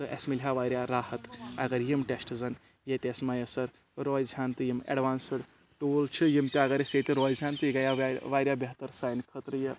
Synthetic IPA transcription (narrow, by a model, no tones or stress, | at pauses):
t̪ɨʔḛsmilɦaʋaːjɾjaɾaːhɐt̪ɐɡɐɾjimʈesʈzɐn | jet̪esmajɐsɐɾ | ɾɔːjzʱjaːnt̪ɨjimḛɖʋaːnsəɽ | ʈoːlt͡ʃʰɨjimt̪eɐɡɐɾeset̪iɾɔːjzʱaːnt̪ɨiɡajaʋaːjɾjabeɦt̪əɾsaːjnkʰət̪ɾjɐ